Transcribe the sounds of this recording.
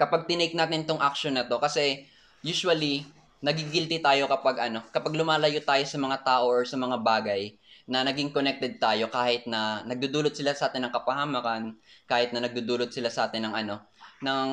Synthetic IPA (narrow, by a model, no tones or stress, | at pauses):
kɐpaɡ̚t̪ɪnɛjk̚naːt̪ɪnt̪oŋʔɐk̚ʃonːɐt̪o̞kɐsɛ | juːswɐli | nɐɡiɡɪlt̪it̪aːjo̞kɐpaɡʔɐno̞kɐpaɡ̚lʊmaːlɐjot̪aːjo̞sɐmɐŋat̪aːʔo̞ʔoɹsɐmɐŋabaːɡɐj | nɐnɐɡɪŋkonɛk̚t̪ɛd̪̚t̪aːjo̞kaːhɪt̪̚nɐnɐɡ̚d̪ud̪uːlot̪̚sɪlasɐʔaːt̪ɪnːɐŋkɐpɐhamakɐnkaːhɪt̪̚nɐnɐɡ̚d̪ud̪uːlot̪̚sɪlasɐʔaːt̪ɪnːɐŋʔɐno̞nɐŋ